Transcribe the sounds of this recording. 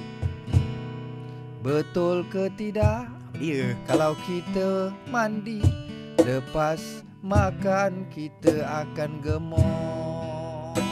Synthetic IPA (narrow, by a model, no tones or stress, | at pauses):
bət̪ʊlkət̪idaʔ | jəkalawkit̪əmandi | ləpas | makankit̪əakanɡəmɔ